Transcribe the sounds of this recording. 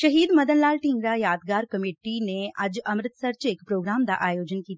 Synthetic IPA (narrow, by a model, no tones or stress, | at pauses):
ʃɐɦiːd̪mɐd̪ənlaːlʈĩŋɡɾajaːd̪ɡaːɾkɐmeːʈineʔɐd͡ʒɐmɾɪt̪sɐɾt͡ʃeːkpɾoːɡɾaːmd̪a̰ʔaːjoːd͡ʒənkiːt̪a